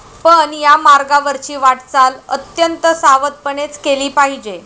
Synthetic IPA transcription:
pəɳjamaɾɡaʋəɾt͡ɕiːʋaʈt͡salət̪jənt̪əsaʋət̪̚pəɳet͡skeliːpaɦid͡ʑe

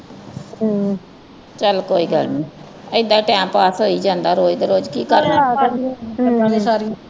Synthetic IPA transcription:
t͡ʃəlkoːiːɡəlniː | əɪd̪aːʈɛ̃ːmpaːsɦoːiːd͡ʒãːnd̪aːɾoːd͡ʒd̪ɾoːd͡ʒkiːkəɾa | aːleːsaːɾi

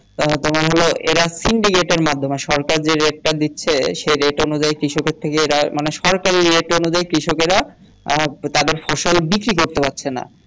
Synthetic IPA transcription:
t̪omaɾɦoloʔeɾasiɳɖikeʈeɾmad̪ʱːomeʃɔɾkaɾd͡ʑeɾeʈ̚ʈad̪itːɕʰeʃejɾeʈonud͡ʑajkɾiʃokeɾt̪ʰːekeeɾamaneʃɔɾkaɾiɾeʈonud͡ʑajkɾiʃokeɾa | t̪ad̪eɾfɔʃolbikɾikoɾt̪epatːɕʰena̰

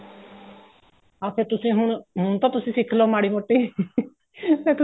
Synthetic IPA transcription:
aːt̪ʰeːt̪ʊsĩːɦʊɳɦʊɳt̪ãːt̪ʊsĩːsɪkʰloːmaːɽiːmoːʈːiː | seːt̪

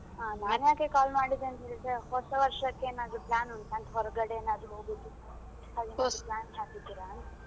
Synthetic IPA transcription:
aːnaaːnjaːkekaːlmaːɽid̪eɐnt̪eɭseɦɔsɐʋɐɾʃɐkːeːnaːd̪ɾuplaːnuɳt̪ɐɳʈ̪ɦɔɾɔɡɐɽeeːnaːd̪ɾuɦoːɡit̪ːi | ɐd̪inplaːnaːkid̪iɾan

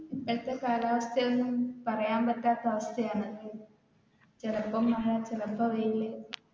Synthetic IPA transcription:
ɐt̪ːɐkaːlaːʋɐst̪ʰɐjonːumpɐrɐjaːmpɐtːaːt̪ːɐɐʋɐst̪ʰɐjaːɳɨ | t͡ɕerɐpːɐmːɐɻɐt͡ɕerɐpːɐʋɐjilːe

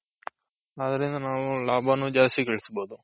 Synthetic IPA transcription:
aːd̪ɐɾind̪ɐnaːʋulaːbʱanud͡ʒaːst̪ikeɭisuboːd̪u

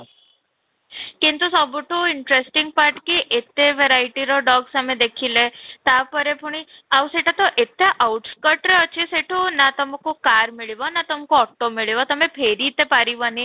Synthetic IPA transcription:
kint̪usɔbuʈuiɳʈɾesʈiŋɡ̚paɾʈkiʔet̪eʋeɾajʈiɾɔɖɔɡsamed̪ekʰilet̪apəɾepuɳ̃iawseʈat̪ɔʔet̪eʔwʈskəʈɾeət͡ɕiseʈʰunat̪ɔmkukaɾmiɭiʋɔnat̪əmkoɔʈːomiɭiʋat̪əmepʰeɾit̪epaɾiʋəni

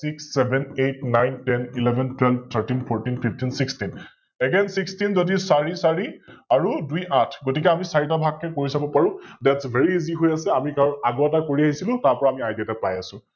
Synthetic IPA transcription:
siksːɛbʱɛnejt̚najntɛnilɛbʱɛntʰwɛlbt̪ʰəɹtinpʰɔɹtinpʰiptinsikstin | ɛɡɛnsikstinzodisaɹisaɹiaɹuduiʔatʰɡotikɛamisaɹitabʱakːɛkoɹisabɔpaɹʊ̃dɛtsvʱɛɹiiziɦojasɛamikaɹaɡɔɛtakoɹiaɦisilʊ̃taɹpɔɹaːmiajdɛtɛpɹajasʊ̃

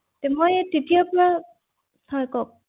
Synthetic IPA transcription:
tɛmɔjtetiapɔɹa | sɔjkɔk̚

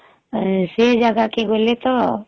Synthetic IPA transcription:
sed͡ʒəɡakeɡoːlet̪o

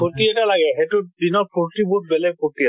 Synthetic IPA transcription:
potiɛtalaɡɛɦetʊdinɔɹpʰuɹtibut̚bɛlɛɡ̚potia

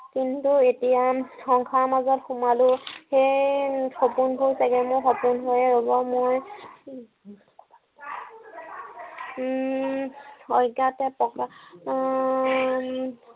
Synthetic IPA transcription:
kintuetijaxɔŋkʰaɹmazɔtxumalʊxejxopunɦojsaɡɛmojxɔpunɦojɛɹobɔmoj | ɔjɡatɛpɔka

